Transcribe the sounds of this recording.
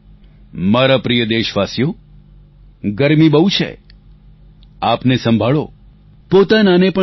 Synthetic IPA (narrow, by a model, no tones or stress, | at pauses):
maɾapɾijəd̪eʃʋasjo | ɡəɾmibəɦũt͡ʃʰḛ | apnesə̃mbʱaɭo | pot̪ananepə